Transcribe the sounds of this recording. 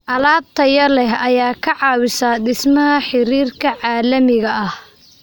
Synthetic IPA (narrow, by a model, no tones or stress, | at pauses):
ʔɐlaːb̚t̪ʰɐjɐlɛɦɐjaːkʰɐʕɑːwɪsaːd̪ɪsmɐɦɐħɪɾiːrkʰɐʕɑːlɐmɪɣɐɐh